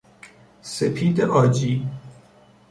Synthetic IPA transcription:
sepʰiːd̪eʔɒːd͡ʒiː

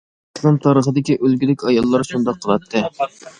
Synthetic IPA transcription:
slˠɨmt̪ʰɑɾəχəd̪ɪkʲiʔølɡʲilɪkʲɑjɑlˠːɑɾʃund̪ɑqʰːəlˠɑt̪ʰːɨ

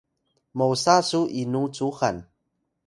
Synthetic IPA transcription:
mowsasuʔinut͡suxan

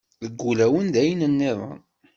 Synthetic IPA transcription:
ðəɡːulæwənd̪æjnənːɪðˤə̰n

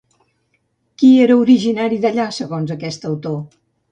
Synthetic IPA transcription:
kieɾəuɾiʒinaɾiðəʎasəɣonzəkɛst̪əwt̪o

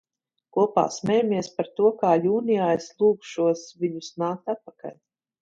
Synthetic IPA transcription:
kuɔpa̰ːsmʲɛjamiɛspaɾt̪uɔkaːʎuːnʲijaːislˠuːkʃuɔsvʲiɲusnaːk̚t̪at̪̚paka̰lʲ

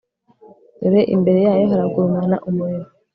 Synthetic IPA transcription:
eɾeʔḭmbe̞ɾe̞jaːjo̞ɦaɾaɡuɾumana̰ʔumueɾu

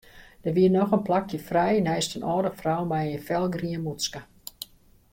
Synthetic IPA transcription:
d̥ərʋiənɔxənplakjəfrɛjnɛjstənʔɔːdəfrɔwmɛjənfɛlˠɡriənmutskə

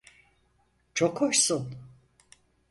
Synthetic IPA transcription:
t͡ʃʰokhoʃsun

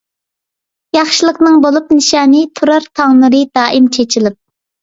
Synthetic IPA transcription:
jɑχʃilˠəqnɨŋbolˠupnɨʃɑːnɨt̪ʰuɾɑɾt̪ʰɑŋlˠɨɾɨd̪ɑːʔimt͡ʃʰet͡ʃʰilɪp̚

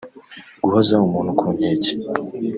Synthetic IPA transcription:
ɡ̥uhazaumuːn̥hukʰuɲeːce̥

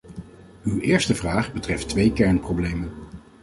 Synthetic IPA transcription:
ywɪːɹstəvraːχbətrɛftʋejkɛɹnproblejmən

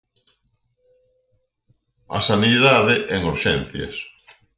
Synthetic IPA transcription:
ɐ̰saniðaðeʔɛŋuɾʃɛnθjɐ̰s

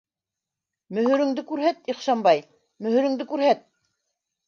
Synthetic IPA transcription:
mɵ̆ɦɵ̆ɾɘ̆ŋd̪ɘkʉɾɦæt̪iχʃɑmbɑj | mɵ̆hɵ̆ɾɵ̆ŋd̪ɘkʉɾɦæt̪̚

